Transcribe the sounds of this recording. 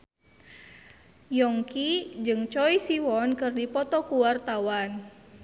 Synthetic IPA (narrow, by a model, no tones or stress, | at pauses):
jɔŋkid͡ʒɨŋt͡ʃɔisiwɔnkɨrdipɔt̪ɔkuwart̪awan